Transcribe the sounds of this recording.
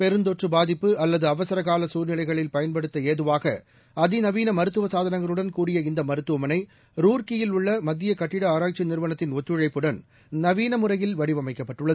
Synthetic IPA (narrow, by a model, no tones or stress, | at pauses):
pɛɾɯnd̪ɔʈrɯbaːðɪpːɯɐlːɐðɯɐʋɐsɐɾɐɣaːlɐsuːɾnɪlɐɪɣɐɭɪlpɐjɐnpɐɽɯt̪ːɐeːðɯʋaːɣɐ̰ | ɐðɪnɐʋiːnɐmɐɾɯt̪ːɯʋɐsaːðɐnɐŋɡɐɭɯɽɐnkuːɽɪjɐɪnd̪ɐmɐɾɯt̪ːɯʋɐmɐnɐɪ | ɾuːɾkɪjɪlʊɭːɐmɐd̪ːɪjɐkɐʈːɪɽɐaːɾaːk̚t͡ʃinɪɾɯʋɐnɐt̪ːɪnɔt̪ːɯɻɐɪpːɯɽɐn | nɐʋiːnɐmɯrɐjɪlʋɐɽɪʋɐmɐɪkːɐpːɐʈːɯɭːɐð